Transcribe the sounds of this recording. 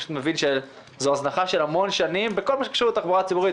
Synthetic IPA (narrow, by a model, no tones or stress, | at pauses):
mevinʃe | zoaznaχaʃe̞lhamo̞nʃanimbeko̞lmaʃe̥kaʃuet̪aχboʁat͡sibuʁi